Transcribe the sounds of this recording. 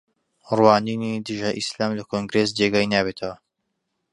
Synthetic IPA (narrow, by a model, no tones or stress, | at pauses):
rwaːniːnid̪ɨʒaʔislaːmlɐkʰoŋɡɾes̬d͡ʒeɡajnaːbet̪ʰɐwɐ